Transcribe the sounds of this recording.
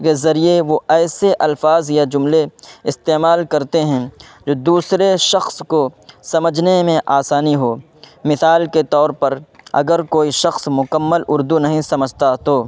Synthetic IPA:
kezɐɾieʋoɛːseʔɐlfaːzjad͡ʒʊmleɪst̪eːmaːlkɐɾt̪eɦɛ̃ | d͡ʒoːd̪uːsɾeʃɐxskosɐməd͡ʒʱnemẽʔaːsaːniɦoː | mɪsaːlket̪ɔːɾpɐɾɐ̰ɡəɾkoːiʃɐxsmʊkəmːəlʔʊɾd̪unɐɦĩsɐməd͡ʒʱt̪at̪oː

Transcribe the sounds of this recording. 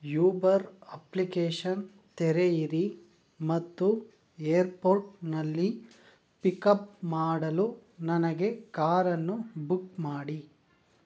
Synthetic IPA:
juːbɐɾɐplikeːʂɐn | t̪ɛɾeiɾi | mɐt̪ːu | eːɐɾpoːɾʈnɐlːi | pikɐpmaːɽɐlunɐnɐɡe̞kaːɾɐnːubukmaːɽi

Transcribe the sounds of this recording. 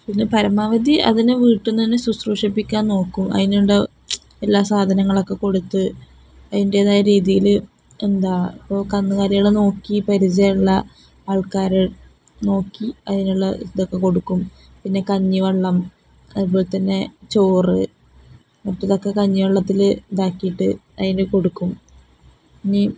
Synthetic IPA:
pinːɨpɐɾɐmaːʋɐd̪ʱiʔɐ̰ðinɨʋiːʈːunt̪ɐnːesusruːʂipːikʲːaːnno̞ːkːumɐ̰ðinuɭɖe | elːaːsaːd̪ʱɐnɐŋːɐɭo̞kːe̞ko̞ɽut̪ːɨ | ɐðinɖeðaːjɾiːðijil | end̪aːipːo̞ːkɐnːuɣaːɾɐjiɭeno̞ːkːipɐɾit͡ɕɐjuɭːɐ | aːɭkaːɾe | no̞ːkːiɐðinuɭːɐd̪okːe̞ko̞ɽukːum | pinːe̞kɐɲːiʋɐɭːɐm | ɐip̬ːoːlt̪ːɐnːe̞t͡ɕoːrɨ | mɐtːɐðo̞kːe̞kɐɲːiʋɐɭːɐt̪ːild̪aːkːijiʈːɨ | ɐðindeko̞ɽukːum | ɐɲːi

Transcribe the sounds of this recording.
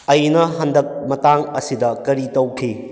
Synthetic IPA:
ɐjnɐɦɐndɐk̚mɐtaŋɐsidɐkɐɾitɐwkʰi

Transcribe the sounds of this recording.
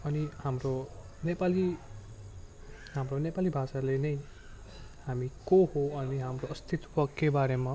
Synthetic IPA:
ʌnihamro | nepali | ɦamronepalibʱasalenʌj | hamikoɦoʌniɦamroʌst̪ʰit̪pʌkːebaɾema

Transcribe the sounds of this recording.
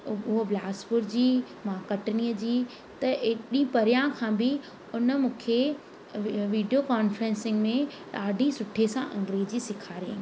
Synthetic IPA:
ʊɦoblaːspʊɾd͡ʑiː | mãkɐʈniːəd͡ʑiː | t̪ɐeɗĩpɐɾɪjãkʰãːbɪ | ʊnə̆mũːkʰe | ʋiːɖijokaːnfɾɛ̃nsɪ̃ŋɡmẽ | ɗaːɖʱĩsʊʈʰesãʔɐ̃ŋɡɾeːd͡ʑisɪkʰaːɾiḛ̃

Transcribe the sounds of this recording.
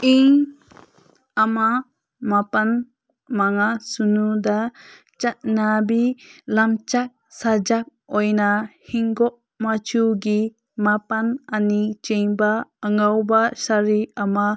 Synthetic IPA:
iŋ | ama | mapan | maŋasunud̪a | t͡ʃat̪̚nabilamt͡ʃak̚sad͡ʒak̚ | ɔjnahiŋɡɔʔ | mat͡ʃuɡi | mapananit͡ʃɛɲbaaŋawbasaɾiama

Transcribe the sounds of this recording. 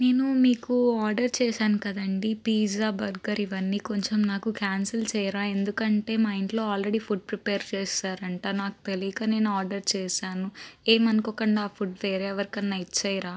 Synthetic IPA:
ne̞ːnumiːkuaːɾɖɐɾt͡ʃɛːʃaːnukɐd̪ɐɳɖipiːd͡ʒaːbɐɾɡɐɾiʋɐnːiːko̞ɲt͡ʃemnaːkukaːnsɐlt͡ʃɛːjɐɾaːe̞nd̪ukɐɳʈe̞ːmaːjiɳʈlo̞ːaːlɾeɽiːpʰuʈ̚pɾipeːɾt͡ʃeːsaːɾɐɳʈaːnaːku̥t̪elikɐne̞ːnuaːɾɖɐɾt͡ʃeːʃaːnueːmɐnikokɐɳɖaːpʰuʈʋeːɾeʋɐɾikɐnːɐjit͡ʃɛːjɾaː

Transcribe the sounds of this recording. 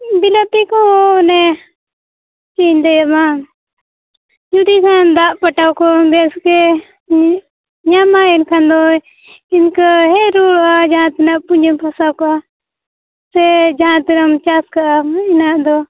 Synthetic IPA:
bilat̪ikɔ̃nɛ | t͡ʃind̪ɛjama | d͡ʒud̪ikʰãnd̪aʔpaʈawkɔb̪ɛskɛ | ɲamaɛnkʰand̪ɔ | inkɦɛɾuɽɔʔad͡ʒaãt̪inaʔpuɲd͡ʒɛmpʰasawkɔa | sɛd͡ʒaãt̪iɾamt͡ʃaskaʔainaʔd̪ɔ

